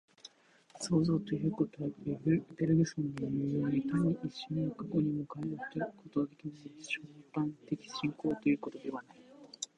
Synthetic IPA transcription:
so̞ːzo̞ːt̪o̞jɯ̟ko | t̪e̞ɾebʲiɕõ̞nd̪eiɯɯjo̞ːɲit̪aɲ̟ʲːiʔiɕːoɲnokako̞ɲ̟imo̞kaiɦoɕt̪ekʰo̞t̪o̞ɡad̪e̞kʲimasɨɕopãnt̪e̞kʲi̥ɕĩŋko̞ːt̪o̞jɯ̟ːko̞t̪o̞d̪e̞βanai

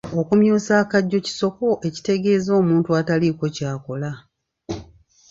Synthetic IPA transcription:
o̞kumjuːsaːkaɟːo̞ci̥so̞ko̞ʔe̞ci̥te̞ɡe̞ːzo̞ːmuːntuataliko̞caːko̞la

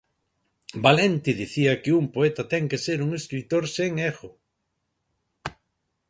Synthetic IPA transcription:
balent̪iðiθiɐkɪumpoet̪ɐt̪ɛŋkeseɾuŋeskɾit̪oɾseŋeɣʊ

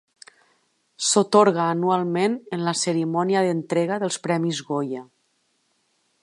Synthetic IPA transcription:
sot̪oɾɣaːnualˠmenənlasəɾimɔniaðənt̪ɾeɣ̞aðəlˠspɾɛmizɣoja

